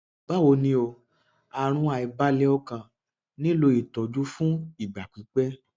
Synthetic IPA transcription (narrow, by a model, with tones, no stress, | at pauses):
ɡ͡ba˦wo˧nĩ˧o˧ | a˧˨ɾ̃ũ˧˦a˨i˨ba˦lɛ˦ɔ˧kã˧˨ | nĩ˦lo˧i˨tɔ˨d͡ʒu˦fũ˦i˨ɡ͡ba˨k͡pĩ˨˦k͡pɛ˦